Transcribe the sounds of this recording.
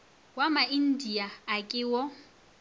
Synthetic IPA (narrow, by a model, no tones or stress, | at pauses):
wamain̩diaːkʼɪwɔ